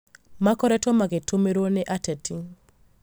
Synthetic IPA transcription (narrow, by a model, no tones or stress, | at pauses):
makɔɾɛtɔmaɡetʰomeɾonɛʔatetiŋ